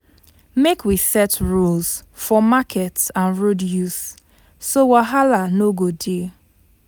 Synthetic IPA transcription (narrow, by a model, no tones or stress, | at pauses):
mekwisɛtɹulzfɔmakʰɛtsãnɹodjus | sowaɦalanoɡode